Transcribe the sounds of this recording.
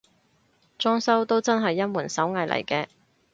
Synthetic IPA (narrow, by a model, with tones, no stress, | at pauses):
t͡ʃɔː˥ŋsɐ˥wt̪o˥wt͡sɐ˥nɦɐ˨jːɐ˥nmuː˨˩nsɐ˨˥wŋɐ˨jlʔɐ̰˨˩jkɛː˧